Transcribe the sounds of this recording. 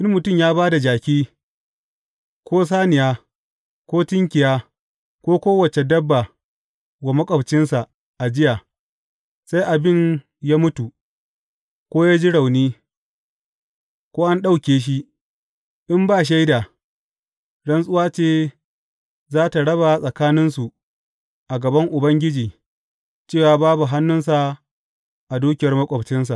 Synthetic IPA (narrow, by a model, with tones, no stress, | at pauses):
ʔɪ˦mmʊ˨tʊ˦˨mjaː˦baː˦da˨d͡ʒaː˨kʲiː˦ | kʷoː˦s̬aː˦nɪ˨jaː˦ | kʷoː˦tɪ˦ŋkʲɪ˨jaː˦ | kʷoː˦kʷoː˦wɐ˨t͡ʃe˨dɐ˦bːa˨ | ɡa˨mɐ˦kʼɐ˨bt͡ʃɪ˦nsa˨ | ʔa˨d͡ʒɪ˦ja˨ | sa˦jʔa˨bɪ˦˨ɲ | jaː˦mʊ˦tu˨ | kʷoː˦jaː˦d͡ʒi˦ɽa˨wniː˦ | kʷoː˦ʔa˦nɗa˦˨wkʲeː˨ʃ̬i˦ʔ | ʔɪ˦mbaː˦˨ʃ̬a˦jda˨ | ɽɐ˦nsʼʊ˦waː˦t͡ʃeː˦ | zaː˦ta˨ɽɐ˦ba˨sʼɐ˨kaː˦nɪ˦nsu˨ | ʔa˨ɡɐ˨bɐ˦ŋʔʊ˨bɐ˦ŋɡʲɪ˦d͡ʒiː˨ | t͡ʃeː˦˨waː˨baː˦bu˨ɦa˦nːʊ˦ns̬a˨ | ʔa˨duː˦kʲɪ˨jɐ˨rmɐ˦kʷʼɔ˨bt͡ʃɪ˦ns̬a˨ʔ